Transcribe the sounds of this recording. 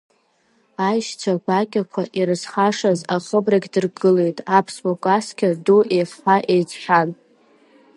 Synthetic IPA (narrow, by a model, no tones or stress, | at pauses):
ajʃt͡sʷʰaɡʷakʲʼakʷʰaʔiɾɨzχaʂazaχəbraɡʲdɨrɡɨle̞jtʼapʰsbokʼaskʲʰaduʔefħaʔejt͡sʼħʷᶣan